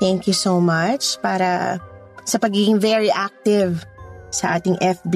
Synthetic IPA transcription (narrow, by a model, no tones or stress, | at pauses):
t̪ɛŋkjusomɐt͡ʃpaːɾɐ | sɐpɐɡiɡɪ̃ŋvɛɹiʔak̚t̪ɪvsɐʔaːt̪ɪŋʔɛfb